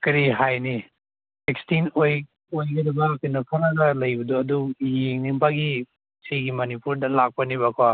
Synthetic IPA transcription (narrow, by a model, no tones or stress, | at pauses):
kɐɾiɦajni | sekstinoj | ojɡɐdɐbɐkɯnɐpʰɐɾɐɡɐlɐjbɐdoɐdujeŋnimpaɡi | sijɡimɐnipuɾdɐlak̚pɐniβɐkʰwa